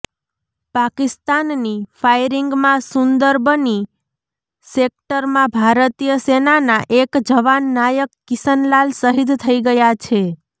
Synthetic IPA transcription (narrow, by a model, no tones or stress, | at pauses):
pakist̪anːifʰajɾiŋɡmãsʊnd̪əɾbʱəni | sek̚ʈəɾmãbʱaɾət̪ijəsenanaʔekd͡ʒəʋanːajəkːisənlalsəɦid̪t̪ʰəiɡəjat͡ʃʰe